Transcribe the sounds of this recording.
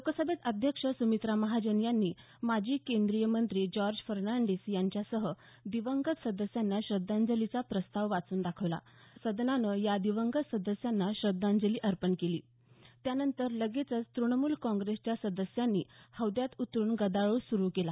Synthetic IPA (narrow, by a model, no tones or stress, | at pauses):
okəsəbet̪əd̪ʱjəkʂəsumit̪ɾaməɦad͡ʑənjanːiː | mad͡ʑʱiːkend̪ɾijəmənt̪ɾiːd͡ʑɔɾd͡ʑfəɾnaɳɖesjaɲt͡ɕjasəɦə | d̪iʋəŋɡət̪səd̪əsjanːaɕɾəd̪and͡zəlit͡sapɾəst̪aʋʋat͡suːnd̪akʰəʋla̰ | səd̪nanəjad̪iʋəŋɡət̪səd̪əsjanːaɕɾəd̪ːand͡zəliːʔəɾpəɳkelḭː | t̪janənt̪əɾləɡet͡sət͡st̪ɾunəmuːlkɔ̃ŋɡɾest͡ɕjasəd̪əsjanːiːhəʋd̪jat̪ut̪ɾuːɳɡəd̪aɭosuɾukela